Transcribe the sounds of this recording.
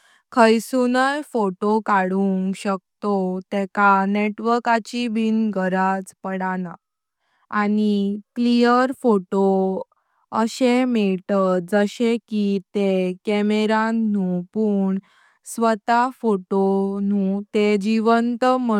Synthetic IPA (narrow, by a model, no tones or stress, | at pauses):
kʰəjsunajfoʈokaɽuŋɕək̚t̪ot̪ɛkaneʈʋəɾkat͡ɕibʱinɡʱəɾad͡zpəɽana | aniklijəɾfoʈo | əɕemeɭʈəd͡zəɕekit̪ekɛmeɾaũpuːɳ | sʋət̪afoʈonũt̪ed͡ʑiʋənt̪mə